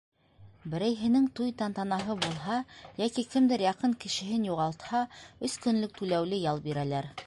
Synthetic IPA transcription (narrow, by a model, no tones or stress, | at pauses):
bɘ̆ɾæjɦɘ̆nɘŋt̪ujt̪ɑnt̪ɑnɑɦɤbulˠɦɑjækikɘ̆md̪ɘɾjɑqɤŋkɘ̆ʃɘ̆ɦɘnjuʁɑlˠt̪hɑɵskɵ̆nlɵk̚t̪ʉlæwlɘjɑlˠbiɾælæɾ